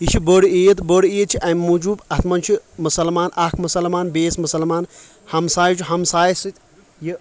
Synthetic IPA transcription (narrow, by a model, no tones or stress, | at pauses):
it͡ʃʰiboɽiijɐt̪boɽiijet̪̚t͡ʃʰiʔɐmmud͡ʒuːbɐt̪ʰmɐnt͡ʃʰimusɐlmaːnʔɐkʰmɐsɐlmaːnbeːsmusɐlmaːn | hɐmsaːjt͡ʃʰiɦɐmsaːjsɨt̪ʲ